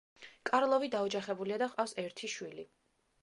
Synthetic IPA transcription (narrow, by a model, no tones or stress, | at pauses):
kʼaɾlˠɔvid̪aɔd͡ʒaχɛbuliad̪aχʼafsɛɾt̪ʰiʃwili